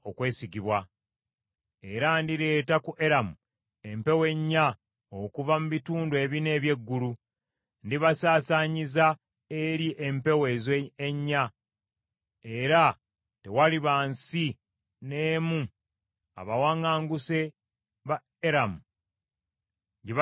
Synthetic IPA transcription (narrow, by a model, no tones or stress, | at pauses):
o̞kwe̞ːsiɡiβwa | e̞ɾandiɾe̞ːtakuʔe̞ɾamu | e̞mpe̞we̞ɲːa | okuvamuβituːndwe̞ːβine̞ːβje̞ɡːulu | ndiβasaːsaɲiza | eɾiʔe̞mpe̞we̞zeːɲːa | eɾa | te̞waliβaːnsi | ne̞ːmu | a̰βawaŋaːŋɡuse̞ | βa | eɾamu | ɟiβ